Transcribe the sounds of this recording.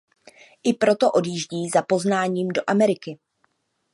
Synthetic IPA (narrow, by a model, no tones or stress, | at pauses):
ʔɪpɾo̞t̪o̞ʔo̞djiːʒɟiːzapo̞znaːɲiːmdo̞ʔamɛɾɪkɪ